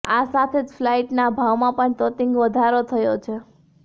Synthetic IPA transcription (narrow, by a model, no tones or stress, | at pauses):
asat̪ʰed͡ʒflaiʈnabʱaʋmãpəɳt̪ɔt̪iŋɡʋəd̪ʱaɾot̪ʰəjot͡ʃʰe